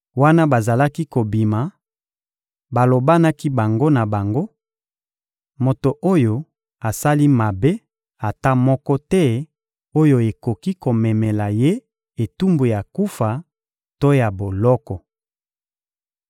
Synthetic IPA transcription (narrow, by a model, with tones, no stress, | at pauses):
wa˦na˦ba˨za˨la˦ki˦ko˨bi˨ma˨ | ba˨lo˨ba˦na˦ki˦ba˨ŋɡo˦na˨ba˨ŋɡo˦ | mo˨to˨ʔo˦jo˨ | a˨sa˦li˦ma˨be˦ | a˨ta˦mɔ˦kɔ˦tɛ˦ | o˦jo˨e˨ko˨ki˦ko˨mɛ˨mɛ˨la˨je˦ | e˨tu˦mbu˨ja˨ku˦fa˨ | to˦ja˨bo˨lɔ˦kɔ˨